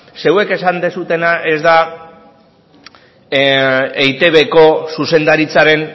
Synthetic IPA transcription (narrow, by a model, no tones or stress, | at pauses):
se̞we̞ke̞sand̪esut̪e̞naʔe̞zd̪a | ejt̪e̞βe̞ko̞suse̞nd̪aɾit͡saɾe̞n